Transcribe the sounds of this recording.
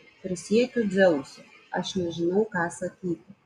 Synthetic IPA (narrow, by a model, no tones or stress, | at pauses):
pʲɾʲɪsʲiːjt̪ʲʊzʲɛwsʲʊ | ɐ̰ʃnʲɛʒʲɪnɐwkɑːsɐkʲiːt̪ʲɪ